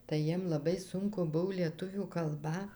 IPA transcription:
tɐɪ ˈjiɛm lˠɐˈbɐɪ ˈsʊŋkʊ ˈbʊw lʲiɛˈtʊʋʲuː kɐlˠˈbɐ

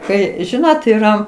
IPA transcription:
ˈkɐɪ ˈʒʲɪnoːt iːˈrɐ

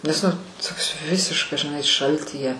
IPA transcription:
nʲɛs nʊ ˈtoːks ˈʋʲɪsʲɪʃkɐs ʒʲɪˈnɐɪ ˈʃɐlʲtʲiːjɛ

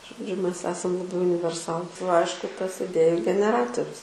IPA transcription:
ʒoːˈd͡ʒʲʊ ˈmʲɛs ˈæːsɐm lˠɐˈbɐɪ ʊnʲɪʋʲɛrˈsɑːlˠʊ ˈɐɪʃkʊ ˈtɐs ɪˈdʲeːjʊ ɡʲɛnʲɛˈrɑːtoːrʲʊs

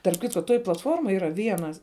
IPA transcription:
tɐrp ˈkʲɪtkoː ˈtoːj plˠɐtˈfoːrmoːj iːˈrɐ ˈʋʲiɛnɐs

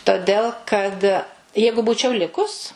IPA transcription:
toːˈdʲɛlˠ kɐt ˈjɛɪɡʊ ˈbuːt͡ʃʲɛʊ ˈlʲɪkʊs

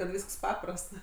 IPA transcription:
kɐt ˈʋʲiːsks ˈpɑːprɐst

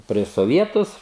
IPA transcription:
pʲrʲiɛʃ soːˈʋʲiɛtʊs

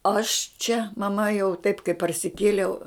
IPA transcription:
ɐʃ t͡ʃʲɛ mɐˈmɐ jɛʊ tɐɪp kɐɪ pɐrʲsʲɪˈkʲeːlʲɛʊ

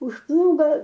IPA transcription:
ʊʃ ˈplˠuːɡoː

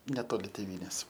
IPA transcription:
nʲɛˈtoːlʲɪ tʲeːˈʋʲiːnʲeːs

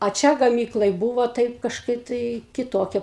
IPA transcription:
ɐ ˈt͡ʃʲɛ ɡɐˈmʲiːklˠɐj ˈbuːʋoː ˈtɐɪp kɐʃˈkɐɪp tɐɪ kʲɪˈtoːkʲɛ

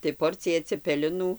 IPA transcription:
tɐɪ ˈpoːrʲt͡sʲɪjɛ t͡sʲɛpʲɛlʲɪˈnuː

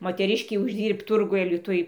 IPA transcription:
moːtʲɛˈrʲɪʃʲkʲɛɪ ʊʒʲˈdʲiːrpt ˈtʊrɡʊj ɐlʲɪˈtʊj

